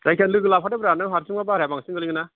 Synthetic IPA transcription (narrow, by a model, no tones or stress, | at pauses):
zajkʰanlɯɡɯlap̚ʰadabɾanɯŋɦaɾsiŋmabaɾabaŋsiŋɡɯliŋɯna